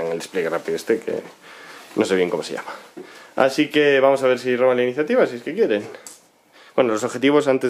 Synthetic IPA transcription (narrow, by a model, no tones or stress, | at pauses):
aŋeld̪espleɣ̞erapiðoest̪ekʰḛ | nõseβjeŋkomosḛa̰maa̰sikeβamosaβ̞eɾsiromanlainiθjat̪iβasieskekjeɾeŋ | bwenolosoxet̪iβosant̪ez